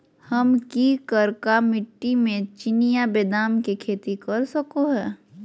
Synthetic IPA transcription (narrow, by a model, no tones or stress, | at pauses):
həmkikəɾkamɪʈːimẽt͡ʃɪnijabeːd̪aːmkekʰeːt̪ikɐɾsəkoɦɛː